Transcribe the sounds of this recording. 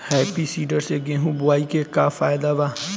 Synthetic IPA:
hɛːpisiːɖəɾseɡẽːɦũbʊaːikekafaːjd̪aʋa

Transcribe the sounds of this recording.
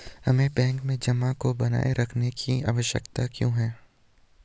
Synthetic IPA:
hɐmẽbɛ̃ːŋkmẽd͡ʒɐmãkobɐna̰ːeɾɐkʰnekʰia̰ːʋəʃjə̰kt̪akjõ̰ːɦɛː

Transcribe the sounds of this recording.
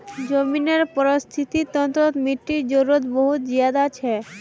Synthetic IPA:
d͡ʑomineɾpɔɾost̪ʰit̪it̪ɔnt̪ɾot̪miʈːiɾd͡ʒoɾot̪boɦut̪d͡ʑiad̪at͡ɕʰe

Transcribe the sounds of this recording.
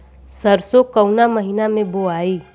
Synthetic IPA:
səɾsokəʊnaməɦinamẽboaːiː

